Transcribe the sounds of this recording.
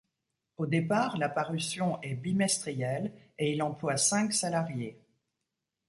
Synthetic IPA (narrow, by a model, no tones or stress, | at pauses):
od̪epaʁlapaʁysjɔ̃ʔɛbimɛst̪χijɛleilɑ̃plwasɛ̃ksalaʁje